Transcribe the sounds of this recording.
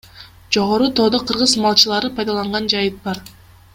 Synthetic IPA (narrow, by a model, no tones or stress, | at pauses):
d͡ʒo̞ʁo̞ɾut̪ʰo̞ːd̪oqʰɯɾʁɯzmɑlˠt͡ʃɯlˠɑɾɯpʰɑjd̪ɑlˠɑɴʁɑnd͡ʒɑjɯt̪̚bɑɾ